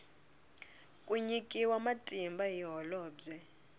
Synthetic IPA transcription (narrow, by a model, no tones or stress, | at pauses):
kʼuɲikʼiwamatʼimbaɦiɦɔlɔːd͡zɛ